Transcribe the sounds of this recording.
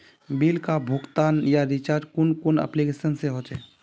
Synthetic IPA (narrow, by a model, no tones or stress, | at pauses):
bilkabʱʊkt̪aːnjaɾit͡ʃaːɾd͡ʒkʊnkʊnə̰plikesənseɦoːt͡ʃɛː